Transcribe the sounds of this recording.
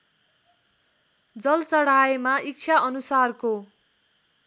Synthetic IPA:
d͡zʌlt͡sʌɽ̤aemaik̚t͡sʰaʌnusarko

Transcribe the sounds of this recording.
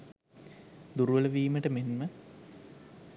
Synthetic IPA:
d̪uɾuʋɐləʋiːməʈəmenmə

